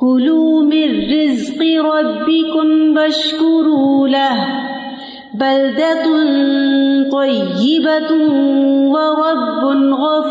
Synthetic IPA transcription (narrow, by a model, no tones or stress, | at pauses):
kʊluːmɪrːɪzqɨɾˤɑbːɪkʊmbaʃkʊɾuːlah | bald̪at̪nt̪ˤɑjːɪba | wɑɾˤɑbːʊnɣɑf